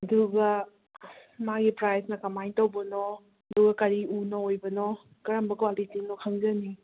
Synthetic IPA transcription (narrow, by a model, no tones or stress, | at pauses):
ɐduɡɐ | maɡipɾajsnɐkɐmajntowbɐnɔ | duɡɐkɐɾiunɐojbɐnɔ | kɐɾɐmbɐkowalitiŋnɔkʰɐŋzɐni